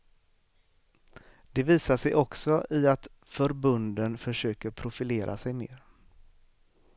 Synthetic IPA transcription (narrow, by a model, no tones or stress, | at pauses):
d̪̥ɛviːsaʂɛjʔɔksɔʔɪat̪ | fœɾbɵnd̪ənfœʂøːkəɾpʰɾʊfɪleːɾʔa̰sɛjmḛːɾ